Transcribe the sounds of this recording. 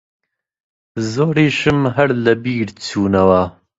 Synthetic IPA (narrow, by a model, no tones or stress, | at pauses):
zoːɾiːʃɨmɦɐɾlɐbiːɾt͡sʰuːnɐwɐ